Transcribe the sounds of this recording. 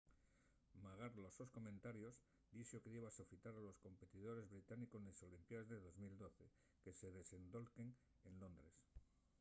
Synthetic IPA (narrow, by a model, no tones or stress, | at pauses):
maɣ̞aɾlososkomẽnt̪aɾjo̞z | d̪iʃokeðeβasofit̪aɾalo̞sko̞mpe̞t̪iðo̞ɾe̞zβɾit̪aniko̞sneso̞limpjaezðe̞ðo̞zmild̪o̞θe̞ | ke̞se̞ðe̞se̞nd̪o̞lkeŋ | enlo̞nd̪ɾe̞s